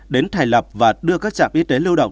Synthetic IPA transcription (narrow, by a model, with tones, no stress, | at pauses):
ɗe˨˦nt̪ʰaː˨˩jlə˨˩p̚vaː˨˩ɗɨ˧əkaː˦˥k̚t͡ɕa̰ː˧˨mʔi˨˧˦t̪e˨˦lɨ˧wɗə̰˧˨wŋ͡m